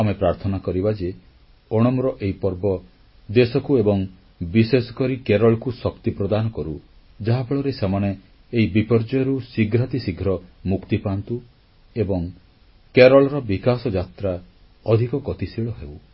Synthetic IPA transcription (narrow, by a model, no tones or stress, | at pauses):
amepɾaɾt̪ʰɔnakɔɾibad͡ʒe | ɔɽ̃ɔmɾɔʔeipɔɾbɔ | d̪esɔkuebɔŋ | bisesɔ̥kɔɾikeɾɔɭkusɔkt̪ipɾɔd̪anɔkɔɾu | d͡ʒaɦapɔɭɔɾesemaneː | ibipɔɾd͡ʒɔjɔɾusiɡʱɾat̪isiɡʱɾɔmukt̪ipant̪u | ebɔŋ | keɾɔɭɔɾɔbikasɔd͡ʒat̪ɾa | ɔd̪ʱikɔkɔt̪isiɭɔɦew